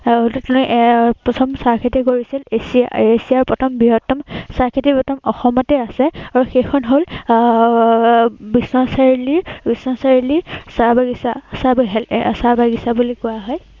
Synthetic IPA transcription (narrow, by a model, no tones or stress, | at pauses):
ltɛtunuʔpɔtʰɔmsaɹkʰitɛkoɹisilesiesiaɹpɔtʰɔmbiɦɔtːɔmsaɹkʰitipɔtʰɔmɔxɔmɔtɛasɛaɹuxejxʰɔnɦol | bisnɔsaɹilibisnɔsaɹilisaɹbaɡisasabɦɛlsaɹbaɡisabulikɔjaɦɔj